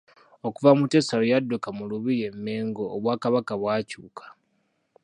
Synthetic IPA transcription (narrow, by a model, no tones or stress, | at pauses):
okuvamute̞salojadːukamuluβije̞mːe̞ːŋɡo̞ːβwaːkaβakaβwaːcuːkʰḁ